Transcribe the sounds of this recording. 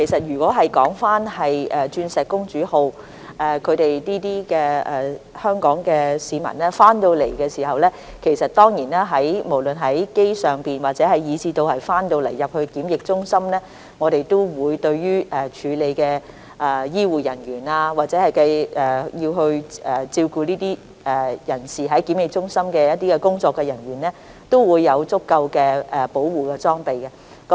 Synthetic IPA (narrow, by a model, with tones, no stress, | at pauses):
kʰe˨˩jsɐ˨t̚ɥyː˨˩kʷɔː˨˥ɦɐ˨jkɔː˨˥ŋfaː˥nhɐ˨jɛː˨t͡ʃyː˧nsɛː˨t̚kːʊ˥ŋt͡ʃyː˨˥ho˧w | ʔɛː˨˩kʰɵ˨˧ɥt̪e˨jniː˥t̪iː˥kɛː˧ɛ˨hœː˥ŋkɔː˨˥ŋkɛː˧siː˨˧mɐ̰˨˩nɛː˥faː˥nt̪o˧wle˨˩jkɛː˧siː˨˩ɦɐ˨wlɛː˥ | kʰe˨˩jsɐ˨t̚t̪ɔː˥ŋjiː˨˩naː˥ɦɐ˨˥jmo˨˩wlɵ˨nɦɐ˨˥jke˥jsœː˨˩ŋpiː˨nwaː˨t̚t͡sɛː˨˥hɐ˨jjiː˨˧t͡siː˨˧t̪o˧whɐ˨jfaː˥nt̪o˧wlḛ˨˩jːɐ˨p̚hɵ˧ɥkiː˨˥mjɪ˨k̚t͡ʃʊ˥ŋsɐ˥mnɛː˥ | ŋɔː˨˧ɾe˨jt̪o˥wwuː˨˧jt̪ɵ˧ɥɥyː˥ʔɛː˨˩t͡ʃʰyː˨˧le˨˧jkɛː˧ | ʔa˨˧jiː˥wuː˨jɐ˨˩nɥyː˨˩naː˧waː˨˩t͡sɛ˨˥hɐ˨jkɐ˧jɛː˨jiː˧wɦɵ˧ɥɛː˨˩t͡siː˧wkuː˨˧niː˥t̪iː˥ | ʔɛ˨jɐ˨˩nsiː˨ɦɐ˨˥jkiː˨˥mjɪ˨k̚t͡sʊ˥ŋsɐ˥mkɛː˧jɐ˥t̚t̪iː˥kɛ˧kʊ˥ŋt͡sɔː˧kːɛ˧jɐ˨˩nɥyː˨˩nlɛː˥ | t̪o˥wwuː˨˧jːɐ˨˧wt͡sʊ˥kːɐ˧wkɛː˧ɛ˨˩po˨˥wwuː˨kɛː˧t͡sɔː˥ŋpe˨jkɛ˧ | k